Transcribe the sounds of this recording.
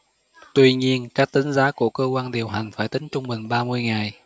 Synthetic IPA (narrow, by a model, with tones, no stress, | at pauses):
t̪wi˧ɲi˧ənkaː˦˥k̚t̪ï˨˦ŋ̟zaː˨˦ku˧˩əkəː˧kwaː˧nɗi˨˩əwɦa˨˩jŋ̟faː˧˩jt̪ï˨˦ŋt͡ɕʊ˧ŋ͡mɓï˨˩ŋ̟ɓaː˧mɨ˧əjŋa˨˩j